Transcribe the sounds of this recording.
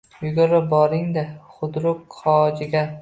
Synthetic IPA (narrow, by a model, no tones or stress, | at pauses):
jʊɡʲʊɾɪbɒɾɪŋd̪aχʊd̪ɾʊkqʰɒd͡ʒɪɡʲa